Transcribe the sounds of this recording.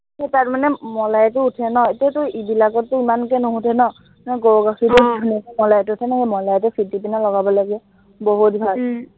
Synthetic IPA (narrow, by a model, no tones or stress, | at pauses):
hetaɹmanɛmɔlajt̬ʊutʰɛnɔetiatʊibilakɔt̚ːʊimankɛnoɦũtʰɛnɔ | nɛɡowɡaxʰidudʱunikmɔlajtʊutʰɛnɔxemɔlajt̬ʊfʰitːipinalɔɡabɔlaɡɛ | boɦutbʱal